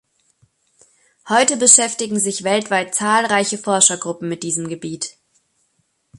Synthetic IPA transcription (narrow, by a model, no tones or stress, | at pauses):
hɔʏtəbəʃɛftɪɡŋ̩zɪçv̥ɛltv̥aɪt̚t͡saːlʁaɪçəfɔɐʃɐɡʁʊpm̩mɪt̚d̥iːzəmɡəbiːt